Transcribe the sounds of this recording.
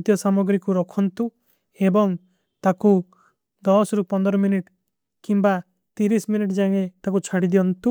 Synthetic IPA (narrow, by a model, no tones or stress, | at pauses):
t̪jɔsamɔɡɾikuɾɔkʰɔnt̪u | ebɔŋ | t̪aku | d̪ɔsɾupɔnd̪ɔɾɔminiʈ | kimba | t̪iɾisminiʈd͡ʒaŋ̃et̪akut͡ʃʰaɽid̪iɔnt̪u